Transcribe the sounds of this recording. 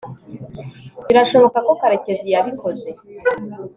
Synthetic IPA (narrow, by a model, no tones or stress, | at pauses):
βiɾaʃo̞βo̞kako̞kaɾe̞ce̞zijaβiko̞ze̞